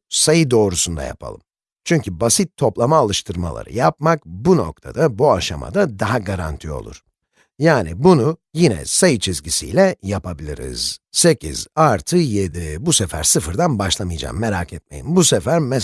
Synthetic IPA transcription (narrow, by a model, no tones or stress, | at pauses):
sajɯd̪o̞ːɾusund̪a̰ja̰pʰa̰lˠɯm | t͡ʃʰyɲcybasit̪ʰːo̞plˠamaːlˠɯʃt̪ʰɯɾma̰lˠa̰ɾɯ̰jap̚makbuno̞̰k̚t̪ʰa̰d̪abuaʃama̰d̪ad̪aɦaɡaɾa̰nt̪ʰio̞̰lˠṵɾ̥ | jaːnibunujinɛ̰sajɯt͡ʃʰizɟisḭjlʲɛjapabilʲiɾḭz̥se̞cʰḭz̥aɾt̪ʰɯjed̪ibusefæ̰ɾsɯfɯɾd̪anbaʃlˠamɯjd͡ʒa̰ːmːeɾaːkʰɛt̪̚me̞̰jimbusɛfæɾmɛ